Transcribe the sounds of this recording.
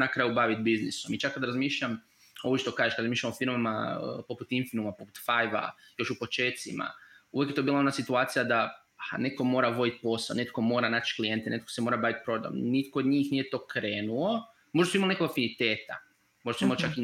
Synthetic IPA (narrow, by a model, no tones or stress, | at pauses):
nakɾaːjubaːʋit̪̚biznisomit͡ʃakːad̪ɾazmiːʃʎam | obut͡ʃit̪okaːʒeʃkad̪ɾzmiːʃʎamofiɾmama̰ə̰po̞put̪infinumapo̞put̪fajʋa̰jo̞ʃupo̞t͡ʃeːt̪sima̰ujekjet̪obilaonasit̪uaːt̪sijad̪a | ane̞t̪̚ko̞mo̞ːɾaʋo̞d̪it̪po̞saonet̪ko̞mo̞ːɾanaːt͡ʃklijent̪enʔet̪̚kosemo̞ːɾabaːʋit̪̚pɾod̪a̰mnit̪kood̪ɲiːxnijet̪o̞ːkɾeːnuo | moʒd̪suimalnekoɡafinit̪eːt̪a̰ | mo̞ʒd̪asuimalit͡ʃaki